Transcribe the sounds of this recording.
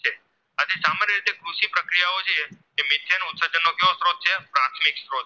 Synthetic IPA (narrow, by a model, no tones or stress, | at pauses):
e | ad͡ʒ̪esamanjəɾit̪ekɾuʃipɾəkɾijaot͡ʃʰee | eːmɪt̪ʰjenoʊt̪səɾd͡ʒənːokeosɾod̪̚t͡ʃʰepɾat̪ʰmɪksɾod̪